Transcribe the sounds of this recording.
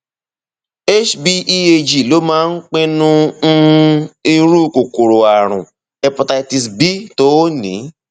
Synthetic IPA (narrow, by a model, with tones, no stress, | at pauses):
e˦ʃbi˧i˦e˧d͡ʒi˨lo˨˦mãː˦n̩˦k͡pẽ˦nũ˦ | i˧ɾu˦ko˨ko˨ɾo˨a˨ɾ̃ṵ̃˨ | ɛ˧pɔ˧ta˧i˧ti˧sbi˦to˦o˦nḭ̃˨˦